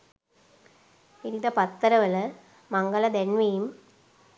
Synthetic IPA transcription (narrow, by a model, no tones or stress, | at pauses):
iɾid̪ɐpɐt̪ːɐɾɐʋɐl | mɐŋɡɐɭɐd̪enʋɐjɯm